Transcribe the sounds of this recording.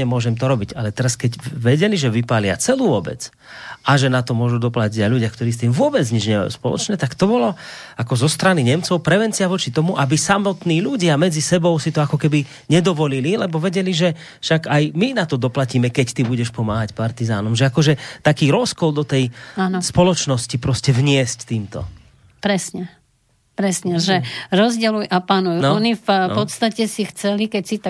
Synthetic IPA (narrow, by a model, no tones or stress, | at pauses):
ɛmʊɔʒɛmt̪ɔɾɔbiɟalɛt̪ɛɾaskɛɟʋɛɟɛliʒɛʋipalɪa̰t͡sɛluːʋɔbɛ̰t͡s | ʔaʒɛnat̪ɔmʊɔʒud̪ɔplaciɟalʎuɟɪakt̪ɔɾiːst̪iːmvʊɔbɛd͡zɲid͡ʒɲɛba̰jṵspɔlɔ̰t͡ʃɲɛt̪akt̪ɔbɔlɔ | akɔzɔst̪ɾaniɲɛmt͡sɔʊpɾɛʋɛnt͡siɪaʋɔt͡ʃit̪ɔmuʔabisamɔt̪niːʎuɟɪamɛd͡zisɛbɔʊsit̪ɔakɔkɛbi | ɲɛd̪ɔʋɔlililɛbɔʋɛɟɛliʒɛ | fʃaɡajminat̪ɔd̪ɔplaciːmɛkɛct̪ibuɟɛʃpɔma̰ːɦacpaɾt̪iza̰ːnɔmʒɛakɔʒɛt̪akiːɾɔskɔld̪ɔt̪ɛjanspɔlɔt͡ʃnɔscipɾɔscɛʋɲɪɛsct̪iːmt̪ɔ̰ | pɾɛsɲɛ | pɾɛsɲɛʒɛɾɔzɟɛlujʔapanujunɔnifpɔst̪acɛsixt͡sɛlikɛcsit̪a